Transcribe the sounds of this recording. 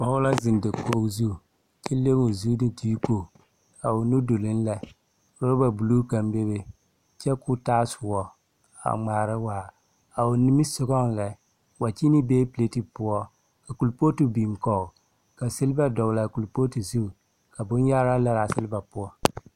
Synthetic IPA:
wa˦ʊ˦la˦zɪ˨ndɪ˨ko˦zu˦˨ | t͡ʃɛ˦le˦mu˨zu˦dɪ˦ti˦ko˦˨ | a˨ʊ˨nu˦do˨lɪ˦n˦la˨ | ɾo˦ɾba˨bu˨lu˦ka˨mbe˦be˦ | t͡ʃɛ˦kʊ˦taː˦sʊ˨wɔ˦ | a̰˨ŋ͡maː˨ɾɨ˦waː˨ | a˨ʊ˨ni˦mi˦sʊ˦ɡɔ˦ŋlɛ˨ | wa˨t͡ʃi˦ni˦beː˦ple˦ti˦pʊ˦ɔ˦ | ka˨ku˨lpo˦tu˨bi˨m˨kɔ˦˨ʊ˨ | ka˨sɪ˦lba˦dɔ˨la˨ku˨lpo˦ti˨zu˦˨ | ka˨bʊ˦n˦ja˦ɾa˦la˦ɾa˨sɪ˦lba˨pʊ˦ɔ˦

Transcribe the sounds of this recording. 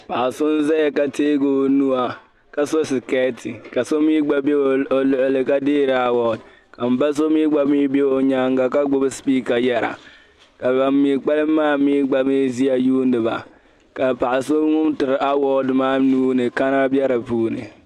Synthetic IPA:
pa˨a˨su˦n˦zɛ˦˨ka˦te˦ɡo˨nu˦a˨ | ka˦so˦si˨ke˦ti˨ka˨so˦mi˦ɡ͡ba˨be˦˨o˨lo˨ʔle˨ka˦diː˦ɾa˨wɔ˨d | ka˨m˨ba˦s̬o˦mi˦ɡ͡ba˦mi˦be˦o˨ɲa˦ŋɡa˨ka˦ɡ͡bo˦bspiː˦ka˨ja˨ɾa̰˨ | ka˨ba˨mi˨k͡pa˦li˦mːa˦mi˦ɡ͡ba˨me˦zi˦a˨juː˦ndi˨ba̰˨ | ka˨pa˨su˦ŋu˦mtɨ˨ɾa˦wɔ˦dma˦nu˦ne˨ka˦na˦bi˦a˦ɾa˨puː˦nḛ˨

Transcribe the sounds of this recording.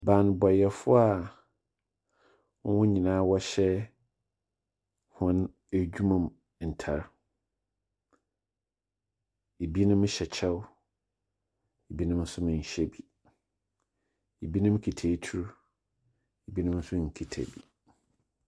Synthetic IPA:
bã˨n˨bɔ˨jɛ˨fʊ˦a˨˦ | wʊ̃˦ɲĩ˨nãː˨˦wɔ˦ɕɛ˦ | hʊ̃˦n | æ˨d͡ʑᶣu˦mã˨m | n̩˨tʰa˨ɾ | e˨bi˦nʊ̃˦m̃˦ɕɛ˨t͡ɕʰɛ˦w | e˨bi˦nʊ̃˦m̩˦sʊ˦mɪ̃˨n˨ɕɛ˦bi˨ | e˨bi˦nʊ̃˦m˦kʰi˨tʰe˨˦tʰu˦ɾ | e˨bi˦nʊ̃˦m̩˦sʊ̃˦ŋ̩˨kʰi˨tʰæ̰˨bḭ˨

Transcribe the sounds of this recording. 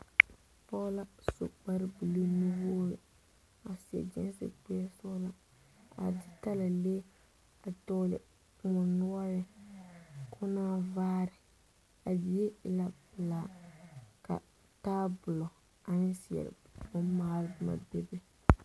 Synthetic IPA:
pɔ˦la˦sʊ̰˨k͡pa˦ɾɪ˦bi˨li˦ni˦wo˦o˦˨ | a˨si˨ɛ̰˨d͡ʒɛ̰˦n˦sɪ̰˨k͡pɛ˦sʊ˦la˦ | a̰˨dɪ˦ta˦la˨leː˦ | a˨tɔ˦lɪ̰˨ | ŋʊ˨nʊ˦a˦jɛ˦ | kʰʊ˦naː˦vaː˦ɾɪ˨ | a˨bi˨je˦ɪ˨la˦bɪ˨laː˨ | ka̰˨ | taː˦bʊ˨lɔ˨ | a˨nɪ˦si˨ɛ̰˨ɾɪ̰˨ʊ˦maː˦lɪ˦bɨ˨ma̰˨bɛ˦bɪ˦

